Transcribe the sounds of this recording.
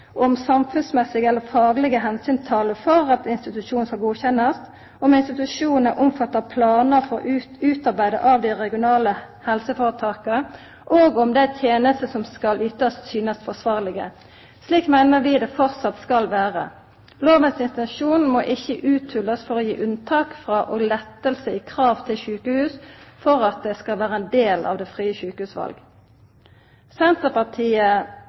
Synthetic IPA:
ʔɔmsɑmfʉnsmɛsɪɡəɛlːəfɑːɡlɪɡəɦɛnsyːnt̪ʰɑːləfɔʁɑt̪ɪnst̪ɪt̪ʉʂuːnn̩skɑlɡuːçɛnːɑst̪ | ɔmɪnst̪ɪt̪ʉʂuːnəʔʊmfɑt̪ːəpʰlɑːnəɾfɔʁɔ̰ʉːt̪ɑʁbæɪd̪ə̰ʔɑʋd̪ɪʁɛɡɪʊnɑːlə | hɛlsəfoːʁət̪ʰɑːkə | ʔoːɡɔmd̪ɛæt̪ʰjeːnəst̪əsɔmskɑlʏt̪ɑssyːnəst̪fɔsʋɑːʁlɪɡə̰ | sliːkmæɪnəʁʋɪd̪ɛfɔʁt̪sɑt̪skɑlʋæːʁə̰ | loːʋənsɪnt̪ɛnʃuːnmoːʔɪçəʔʉːt̪ʰhʉlːəsfɔʁoːjḭːʔʉnt̪ʰɑːkfʁɑːʔoːɡlɛt̪ːəlsəɪːkʰʁɑːʋt̪ʰɪlçʉːkəhʉːsfɔʁɑt̪̚d̪ɛskɑlʋæːɾəɛnd̪eːlɑ̰ːʋd̪ɛfʁiːəçʉːkəhʉːsʋɑ̰lɡ | sɛnt̪əpɑʁt̪ʰiːə

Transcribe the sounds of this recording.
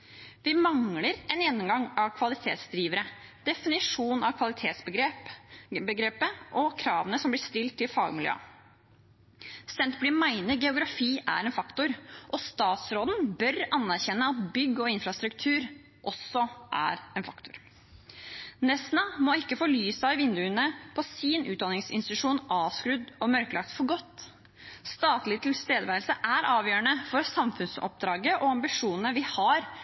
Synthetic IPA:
ʋɪmɑŋləɾɛnjɛnːʊmɡɑŋɑʋkʰʋɑlɪt̪ʰḛːt̪sd̪ɾiːʋəɾəd̪̥ɛfɪnɪʂuːnɑʋkʰʋɑlɪt̪ʰeːt̪sbəɡe | bəɡɾeːpəʔɔkʰɾɑːʋənəsɔmblɪʂt̪ɪlt̪ʰːɪlfɑːɡmɪljø̰ː | sɛnt̪blɪːmæɪnəɾɡɛʊɡɾɑfiːʔæ̰ɾɛnfɑkt̪ʊɾʔɔst̪ɑːt̪sɾoːd̪n̩bœɾɑnːæɾçɛnːəɑt̪̚bʏɡːɔɪnfɾɑst̪ɾʉkt̪ʰʉːɾ | ʔɔsɔʔæ̰ɾɛnfɑkt̪ʊɾ | nɛsnɑmɔɪkːəfɔɭyːsæɪʋɪnd̪ʉənəpʰɔsiːnʔʉːt̪̚d̪ɑnɪŋsɪ̰nst̪ɪt̪ʉʂuːnʔɑːʋskɾʉd̪ɔmœɾkəlɑk̚t̪fɔɾɡɔt̪ː | st̪ɑːt̪lɪt̪ʰɪlst̪eːd̪əʋæɾlsəʔæɾʔɑːʋjøːɾəɳəfɔɾsɑmfʉnsɔ̰p̚d̪ɾɑːɡəʔɔɑmbɪʂuːnənəʋɪhɑɾ

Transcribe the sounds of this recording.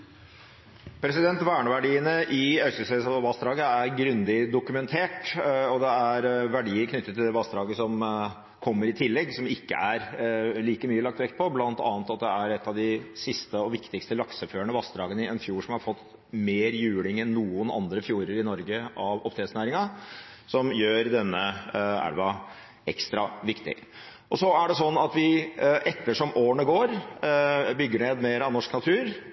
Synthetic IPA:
pʰɾɛsɪd̪ɛnt̪ʋæːɳəʋæɖiːənəʔɪœʏsəseːəsɑʋɑsd̪ɾɑːɡəæɾɡɾʉnd̪ɪd̪ʊkʉmɛnt̪ʰeːʈɔd̪ɛæɾʋæɖiːəɾkʰnʏt̪ːət̪ʰːɪld̪ɛʋɑsd̪ɾɑːɡəsɔm | kʰɔmːəɾɪt̪ʰɪlːɛɡsɔmɪkːə̰ʔæɾliːkəmyːəlɑk̚t̪ʋɛk̪̚ːpʰɔblɑnt̪ɑ̰ːnət̪ɑt̪̚d̪ɛæɾɛt̪ːɑʋd̪ɪsɪst̪əɔʋɪkt̪ɪkst̪əlɑksəføːɳəʋɑsd̪ɾɑːɡənəɪɛnfjuːʂɔmhɑɾfɔt̪ː | meːɾjʉːlɪŋɛnːuːənɑ̰nd̪ɾəfjuːɾəɾɪnɔɾɡəʔɑʋɔpt̪ʰeːsnæːɾɪŋɑsɔmjøːɾd̪ɛnːəæ̰ɾʋɑ | ɛ̰kst̪ɾɑʋɪkt̪ɪ̰ | ʔɔsɔæɖɛsɔnːɑt̪ʋɪʔɛt̪ːəʂɔmʔoːɳəɡoːɾ | bʏɡːəɳeːd̪meːɾɑʋnɔʂknɑt̪ʰʉːɾ

